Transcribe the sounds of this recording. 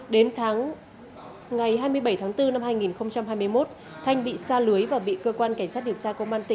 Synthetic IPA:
ɗe˨˦nt̪ʰaː˨˦ŋ | ŋa˨˩jhɦaː˧jmɨ˧əjɓə˧˩jt̪ʰːŋt̪ɨ˧na˧mhaː˧jŋi˨˩nxə˧wŋ͡mt͡ɕa˧mɦaː˧jmɨ˧əjmo˦˥t̚ | t̪ʰa˧jŋ̟ɓḭ˧˨saː˧lɨ˨˦əjvaː˨˩ɓḭ˧˨kəː˧kwaː˧nka˧˩ŋ̟saː˦˥t̚ɗi˨˩əwt͡ɕaː˧kə˧wmʔaː˧nt̪ï˧˩ŋ

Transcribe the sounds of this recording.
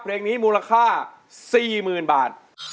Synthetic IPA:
pʰɾeː˧ŋniː˦˥muː˧la˧kʰaː˥˩ | siː˨˩mɯː˨˩nbaː˨˩t̪̚

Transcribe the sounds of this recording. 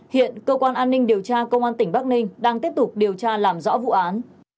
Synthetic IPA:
hḭ˧˨ənkəː˧kwaː˧nʔaː˧nːï˧ŋɗi˨˩əwt͡ɕaː˧kə˧wŋ͡mʔaː˧nt̪ï˧˩ŋ̟ɓa˦˥k̚nï˧ŋ̟ɗaː˧ŋt̪i˦˥əp̚t̪ʊ˨˩k͡p̚ɗi˨˩əwt͡ɕaː˧laː˨˩mzɔ̰˧˥vṵ˧˨ʔaː˨˦n

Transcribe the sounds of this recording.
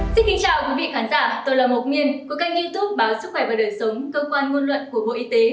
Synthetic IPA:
sï˧˥˦ŋkï˨˦ŋ̟t͡ɕaː˧wkwi˨˦vḭ˧˨kaː˨˦nzaː˧˩t̪o˧jlaː˨˩mo˨˩t̚mi˨˧˨ənku˨˦ka˧jŋ̚zi˧t̪u˦˥p̚ɓaː˨˦wsɨ˦˥xwɛ˧˩vaː˨˩ɗəː˨˩jsə˨˦wŋ͡mkəː˧kwaː˧nŋo˧nlwə̰˧˨nku˧˩əɓo̰˧˨ʔi˧t̪e˨˦

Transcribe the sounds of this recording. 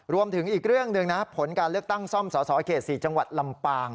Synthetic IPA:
ɾu˧əmt̪ʰɯ˩˦ŋʔiː˨˩k̚ɾɯ˥˩əŋnɯ˧ŋna˦˥pʰo˩˦nkaː˧nlɯ˥˩ək̚t̪a˥˩ŋsɔ˥˩msɔː˩˦sɔː˩˦˥kʰeː˨˩t̪̚siː˨˩t͡ɕa˧ŋwa˨˩t̪̚la˧mpaː˧ŋ

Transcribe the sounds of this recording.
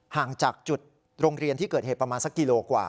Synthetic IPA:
haː˨˩ŋt͡ɕaː˨˩k̚t͡ɕu˨˩t̪̚ | ɾoː˧ŋɾi˧ənt̪ʰi˥˩kɤː˨˩t̪̚he˨˩pɾa˧maː˧nsa˦˥kːi˧loː˧kwa̰ː˨˩

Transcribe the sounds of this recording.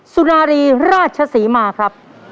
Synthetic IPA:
su˧naː˧ɾiː˧ɾaː˥˩t̪̚t͡ɕʰa˧siː˩˦maː˧kʰɾa˦˥p̚

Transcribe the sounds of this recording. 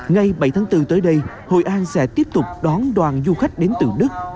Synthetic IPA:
ŋa˨˧jɓa˧˩jt̪ʰaː˨˦ŋt̪ɨ˧t̪əː˨˦jɗə˧j | ho̰˧˨˩jʔaː˧nsɛ̰˧˥t̪i˦˥əp̚t̪ʊ˨˩k͡p̚ɗɔ˨˦nɗwaː˨˩nzu˧xa˦˥jk̟̚ɗe˨˦nt̪ɨ̰˧˩ɗɨ˦˥ək̚

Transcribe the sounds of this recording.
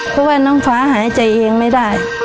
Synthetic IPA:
pʰɔ˧˥waː˧˩nɔː˧˥˩ŋfaː˧˥ɦaː˩˦˥jt͡ɕa˧jʔeː˧ŋma˥˩jdaː˥˩j

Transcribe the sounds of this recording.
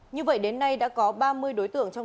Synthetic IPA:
ɲɨ˧və̰˧˨jɗe˨˦nːa˧jɗa̰ː˧˥kɔ˨˦ɓaː˧mɨ˧əjɗo˨˦jt̪ɨ̰˧˨əŋt͡ɕɔ˧w

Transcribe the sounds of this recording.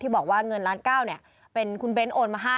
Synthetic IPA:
t̪ʰiː˥˩bɔː˨˩k̚waː˥˩ŋɤ˧nlaː˦˥nkaː˥˩wni˦˥˩ɐ | pe˧nkʰu˧nbe˦˥nʔoː˨˩nmaː˧ɦaː˥˩

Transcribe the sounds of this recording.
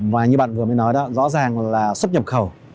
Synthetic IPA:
vaː˨˩ɲɨ˧ɓa̰ː˧˨nvɨ˨˩əməː˨˦jnɔ˨˦jɗɔ˨˦zɔ̰˧˥zaː˨˩ŋlaː˨˩swə˦˥t̚ɲə˨˩p̚xə˨˩w

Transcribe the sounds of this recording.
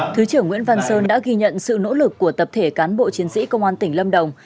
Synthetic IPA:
t̪ʰɨ˨˦t͡ɕɨ˧˩əŋwḭ˧˥ənva˧nsəː˧nɗa̰ː˧˥ɣi˧ɲə̰˧˨nsɨ̰˧˨no̰˧˥lɨ˨˩kːu˧˩ət̪ə˨˩p̚t̪ʰe˧˩kaː˨˦nɓo̰˧˨t͡ɕi˨˦ənsḭ˧˥kə˧wŋ͡mʔaː˧nt̪ï˧˩ŋlə˧mɗə˨˩wŋ͡m

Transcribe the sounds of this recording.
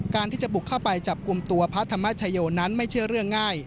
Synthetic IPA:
kaː˧nt̪ʰiː˥˩t͡ɕa˨˩bu˨˩kʰːa˥˩wpa˧jt͡ɕa˨˩p̚ku˧mt̪u˧ɐpʰa˦˥t̪ʰːa˧mːa˦˥t͡ɕʰa˧joː˧na˦˥nma˥˩jt͡ɕʰɯ˥˩əɾɯ˥˩əŋːaː˥˩j

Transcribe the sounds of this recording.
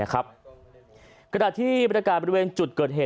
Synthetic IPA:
a˦˥kʰa˦˥p̚ | knaː˨˩t̪ʰiː˥˩pɾa˧kaː˨˩bɔ˧˥i˧weː˧nt͡ɕu˨˩t̪̚kɤː˨˩t̪̚ɦeː˨˩

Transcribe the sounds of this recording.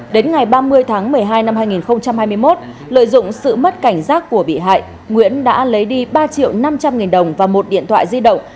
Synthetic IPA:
ɗe˨˦nŋa˨˩jɓaː˧mɨ˧əjt̪ʰaː˨˦ŋmɨ˨˩əjɦaː˧jna˧mhaː˧jŋi˨˩nxə˧wŋ͡mt͡ɕa˧mhaː˧jmɨ˧əjmo˦˥t̚ | lə̰ː˧˨jzʊ̰˧˨ŋ͡msɨ̰˧˨mə˦˥t̚ka˧˩jŋ̟zaː˦˥kːu˧˩əɓḭ˧˩ɦa̰ː˧˨jʔ | ŋwḭ˧˥ənɗa̰ː˧˥lə˨˦jɗi˧ɓaː˧t͡ɕḭ˧˨əwna˧mt͡ɕa˧mŋi˨˩nɗə˨˩wŋ͡mvaː˨˩mo˨˩t̚ɗḭ˧˨ənt̪ʰw̰ːjzi˧ɗə̰˧˨wŋ͡m

